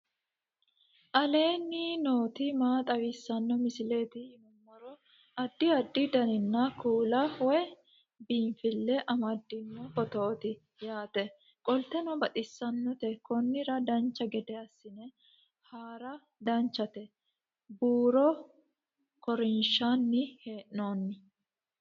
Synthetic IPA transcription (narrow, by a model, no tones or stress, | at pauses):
ʔɐle̞ːnːino̞ːt̪ɪmaːt̪ʼɐwɪsːɐnːɔmɪsɪleːt̪ɪhɪmʊmːɐɾɔ | ɐd̪ːɪɐd̪ːɪd̪ɐnɪnːɐkuːlɐwɛ | biːɱfɪlːɛʔɐmɐd̪ːɪnːɔfɔt̪oːt̪ɪ | jaːt̪ɛ | kʼɔlt̪ːɛnɔbɐt̪ʼɪsːɐnːɔt̪ɛkɔnːɪɾɐd̪ɐnt͡ʃːɐɡɛd̪ɛɐsːɪnɛ | haːɾɐ | d̪ɐnt͡ʃːɐt̪ɛ | buːɾɔ | kɔɾɪnʃanːɪheːʔnoːnːɪ